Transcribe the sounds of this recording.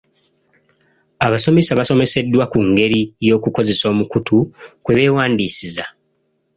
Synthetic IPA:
aβaso̞me̞saβaso̞me̞se̞dːwakuŋɡe̞ɾijo̞ːkuko̞ze̞so̞ːmukutʰukwe̞βe̞ːwaːndiːsiza

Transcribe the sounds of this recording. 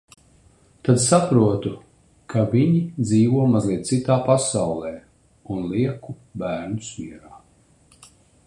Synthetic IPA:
t̪ad̪sapɾuɔt̪u | kaviɲid̪ziːvuɔmazliɛt̪̚sit̪aːpasawlˠɛː | unlˠiɛku | bæːɾnusmiɛɾaː

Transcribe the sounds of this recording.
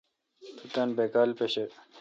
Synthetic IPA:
t̪ut̪ɐnbekaːlpeɕe

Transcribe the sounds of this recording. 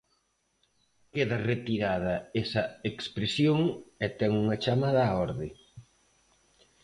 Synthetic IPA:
keðɐret̪iɾað̞ɐesɐekspɾesjoŋet̪ɛŋuŋɐt͡ʃamaðɐɔɾðɪ

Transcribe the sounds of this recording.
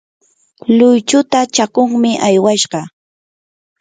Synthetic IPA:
lʊjt͡ʃʊt̪at͡ʃakʊŋmɪʔajwaʃɢɑ

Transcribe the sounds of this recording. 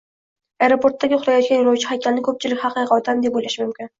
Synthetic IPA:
ajɾopʰo̞ɾt̪ːaɡʲɪʊlˠajɒt̪̚kʲanjɒlˠɑwt͡ʃʰɪhakʲʰalnɪkʰɵp̚t͡ʃʰɪlɪkʲhɑqiqɒt̪ʰamd̪epbojlaʃɪmʊmkʲɪn

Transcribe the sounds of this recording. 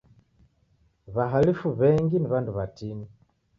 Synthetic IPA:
βaɦalifuβɛŋɡiniβanduβatini

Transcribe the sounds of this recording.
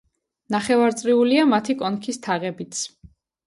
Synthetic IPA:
naχɛvaɾt̪sʼɾiuliamat̪ʰikʼɔnkʰist̪ʰaʁɛbit̪sʰ

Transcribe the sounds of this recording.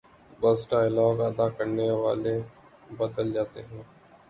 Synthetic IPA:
bəsʈaːɪlɔːɡəd̪aːkəɾneʋaːleː | bəd̪əld͡ʒaːt̪eːɦɛ̃ː

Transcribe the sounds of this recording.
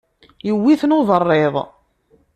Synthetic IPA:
jəwːiθnoðˤərˤːeðˤ

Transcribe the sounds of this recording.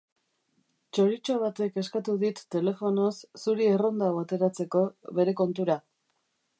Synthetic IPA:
t͡ʃo̞ɾit͡ʃo̞β̞at̪e̞ke̞skat̪uðit̪ːe̞le̞fo̞no̞sːuɾiero̞nd̪awat̪e̞ɾat͡se̞ko̞βe̞ɾe̞ko̞nt̪uɾa

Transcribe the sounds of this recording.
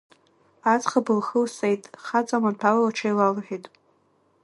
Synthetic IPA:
at͡sʼχabɨlχəlsʼejtʼχat͡sʼamanpʰalalaʈ͡ʂʰajlalħᶣejtʼ

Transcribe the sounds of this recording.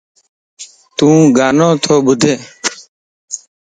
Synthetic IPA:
t̪ũːɡaːnõːt̪ʰoːɓʊd̪ʱeː

